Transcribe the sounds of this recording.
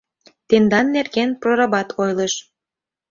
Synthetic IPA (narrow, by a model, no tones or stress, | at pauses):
t̪end̪ɑnːerɡenproɾɑbɑt̪ʰojləʃ